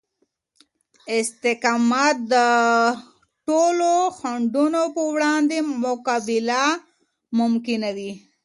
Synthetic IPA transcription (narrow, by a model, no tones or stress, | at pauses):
ɪst̪ɪkɑmat̪̚d̪ə | ʈoloxaɳɖunopəwɽɑnd̪emʊkabɪla | mʊmkɪnad̪i